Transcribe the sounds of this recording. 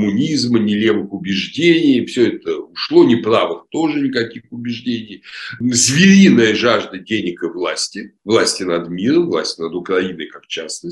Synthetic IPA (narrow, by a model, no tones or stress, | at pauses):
mʊnʲizmənʲɪlʲe̞vɨxʊbʲɪʐdʲenʲɪjfsʲɵɛt̪əʊʂlˠo̞nʲɪpɾavɨxt̪o̞ʐɨnʲɪkɐkʲixʊbʲɪʐdʲenʲɪjzvʲɪɾʲinəjəʐaʐd̪ədʲenʲɪkɨvlˠasʲtʲɪvlˠasʲtʲɪnɐd̪mʲiɾəmvlˠa̰sʲtʲɪnəd̪ʊkrɐinəjkakt͡ɕasnə